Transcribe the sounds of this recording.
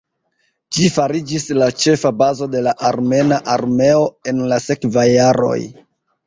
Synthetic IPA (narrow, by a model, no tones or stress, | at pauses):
d͡ʒifaɾid͡ʒislat͡ʃe̞fabazo̞de̞laʔaɾme̞naʔaɾme̞o̞e̞nlase̞kvajːaɾo̞̰j